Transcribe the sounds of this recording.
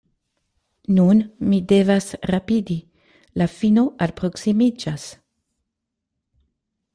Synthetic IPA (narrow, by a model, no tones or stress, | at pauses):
nunmide̞vasɾapidi | lafino̞ʔalpɾo̞ksimid͡ʒas